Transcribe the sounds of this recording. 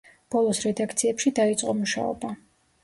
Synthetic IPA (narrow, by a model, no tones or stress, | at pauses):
b̥ɔlˠɔsɾɛd̪akʰt̪sʰiɛpʃid̪ait̪sʼqʼɔmuʃa̰ɔ̰ba